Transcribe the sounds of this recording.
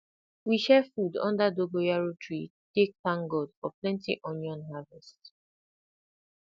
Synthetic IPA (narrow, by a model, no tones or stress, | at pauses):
wiʃɛfudɔ̰̃ndadoɡojaɹotʰɹi | tek̚tãŋɡɔdfɔplɛ̃ntiʔɔ̃njɔ̃nɦavɛst